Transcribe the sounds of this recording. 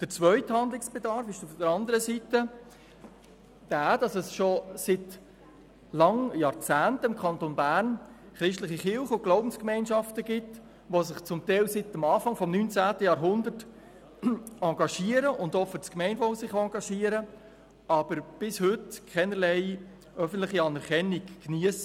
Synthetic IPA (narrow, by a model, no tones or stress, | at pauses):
d̥əɾt͡sʋœʏthɑnd̪lɪksb̥ɛdɑɾfɪʃufdəɾɑnd̪əɾəsitə | d̥æːd̥ɑsəsʃosɪt | lɑŋjɑːɾt͡sæːntəɪmkʰχɑntonbæːɾn | χɾɪʃtləχiχɪlˠχəʊɡ̥loʊbn̩skmɛɪnʃɑftəɡɪt | ʋosɪχt͡sʊmtɛɪlsɪtəmɑːfɑŋfɔmnyːnt͡sæːtəjɑːɾɦʊnd̪ət | ɑŋɡɑʃiəɾəʔʊndɔfət͡skmɛɪnvɔwsɪχɑːŋɡɑʃiːəɾə | ɑb̥əɾb̥ɪshʏtkʰɛnəɾlɛɪ | œfən̩tlɪχiɑnɛɾχɛnikːniəs